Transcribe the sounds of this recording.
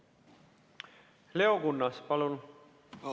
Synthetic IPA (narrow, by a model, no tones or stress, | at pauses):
le̞o̞kunːɑspɑlun